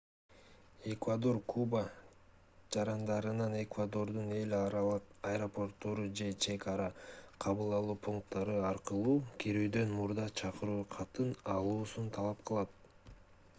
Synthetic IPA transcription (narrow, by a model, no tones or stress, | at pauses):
e̞kvad̪o̞rkʰuba | d͡ʒɑɾɑnd̪ɑɾɯnɑne̞kvad̪o̞ɾd̪une̞lɾɑlˠɯqɐjɾopo̞rt̪ːo̞ɾud͡ʒe̞t͡ʃe̞kaɾɑqʰɑβɯlˠɑlˠuːpʰuŋk̚t̪ːɑɾɯɑɾqɯlˠuːkʰiɾyːd̪ø̞nmuɾd̪ɑt͡ʃʰɑqɯɾuːqʰɑt̪ɯnɑlˠuːsunt̪ʰɑlˠɑpqʰɯlˠɑt̪̚